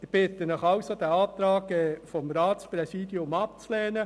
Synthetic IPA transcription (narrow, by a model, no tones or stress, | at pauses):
ɪb̥ɪt̪ənəχɑwsod̪æɑːt̪ɾɑːkɛfɔmɾaːsprɛsiːd̥iʊmɑp̚t͡slɛːnə